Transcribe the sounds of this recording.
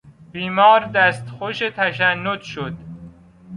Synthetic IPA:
biːmɒːɾd̪æst̪xoʃet̪ʰæʃænːod̪ʃod̪

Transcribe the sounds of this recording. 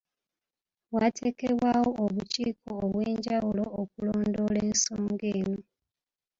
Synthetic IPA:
watʰe̞ːke̞βwawoʔoβuciːkoːβweːɲɟawuloːk̚uloːndo̞le̞ːnsoːŋɡe̞ːno

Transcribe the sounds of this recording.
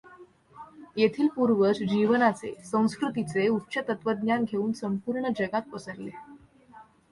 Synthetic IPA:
jet̪ʰiːlpuɾʋət͡sd͡ʑiʋənat͡sḛsə̃w̃skɾut̪it͡seutːɕət̪ət̪ʋəd̪ɲjanɡʱeuːnsəmpuɾɳəd͡ʑəɡat̪̚pəsəɾle

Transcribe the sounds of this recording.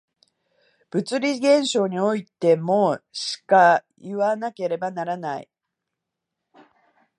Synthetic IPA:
b̥ɯ̟t͡sɨɾʲiɡẽ̞ɰ̃ɕo̞ːɲ̟io̞it̪e̞moːɕi̥ka | jɯβanake̞ɾe̞banaɾanaḭ

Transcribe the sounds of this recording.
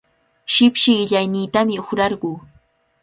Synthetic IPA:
ʃɪpʃɪʎajniːt̪amɪoχɾɑɾɢuː

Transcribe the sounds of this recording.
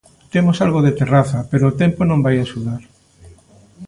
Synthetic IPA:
t̪emosalɣoðet̪eraθɐpeɾoːt̪emponõmbajaʃuðaɾ

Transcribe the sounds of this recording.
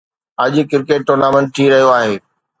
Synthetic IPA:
ɐʄkɪɾkeːʈ̚ʈːʊɾnaːmɛ̃ɳʈ̚ʈʰiɾɐɦijoaːɦeː

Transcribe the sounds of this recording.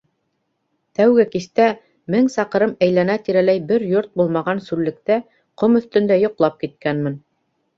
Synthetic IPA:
t̪æwɡɘkist̪æ | mɘŋsɑqɤ̆ɾɤmæjlænæt̪iɾælæjbɘɾjoɾt̪̚bulˠmɑʁɑnsʉllːɘ̆kt̪æ | qomɵ̆θt̪ɵ̆nd̪æjŏqlˠɑp̚kit̪̚kænmɘ̆n

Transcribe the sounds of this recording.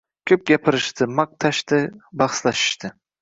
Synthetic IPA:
kʲʰɵp̚ɡʲapʰɪɾɪʃt̪ʰɪmaq̚t̪ʰaʃt̪ɪbɑχslaʃɪ̥ʃt̪ʰɪ

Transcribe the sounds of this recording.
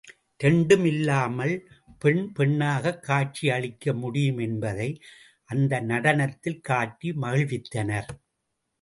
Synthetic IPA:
t̪ɛɳɖɯmɪlːaːmɐl | pɛɳpɛɳːaːɣɐkːaːt͡ʃiɐɭɪkːɐmʊɽɪjɯmɛnbɐðɐɪ | ʔɐnd̪ɐnɐɽɐnɐt̪ːɪlkaːʈːimɐɣɪɭʋɪt̪ːɐnɐɾ

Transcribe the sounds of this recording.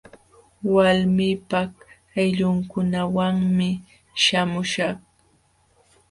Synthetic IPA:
walmiːpah | ajʎʊŋkʊnawaŋmɪ | ʃamʊʃaχ

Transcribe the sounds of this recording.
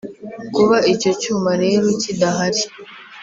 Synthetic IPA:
kuβaico̞t͡ʃumaɾe̞ːɾo̞cidaɦaɾi

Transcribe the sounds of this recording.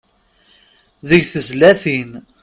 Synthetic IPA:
ðəʝθəzlæθin

